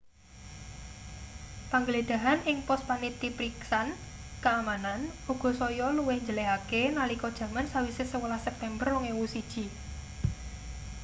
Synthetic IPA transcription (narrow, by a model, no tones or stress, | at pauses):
paŋɡəled̪̥a̤ɦanɪŋpɔs̚panit̪ipɾiksankaːmananuɡ̥ɔ̤sɔjɔluwɛhɲd͡ʒəleakenalikɔd̥ʒ̥ä̤mansawisɪsəwəlahsɛp̚t̪ɛmbəroŋewusid̥ʒ̥i̤